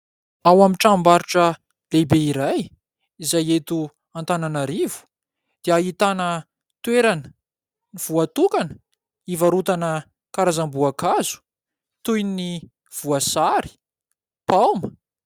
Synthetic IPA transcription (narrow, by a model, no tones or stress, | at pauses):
awamiʈ͡ʂambaɾiʈ͡ʂə | lebeiɾaj | izajet̪u | ant̪ananaɾivu̥ | d̪̥eait̪anə | t̪weɾanə̥ | niv̥uat̪ukanə̥ | ivaɾut̪anə | kaɾazambuakazu̥ | t̪ujni | v̥uasaɾi̥ | pawmə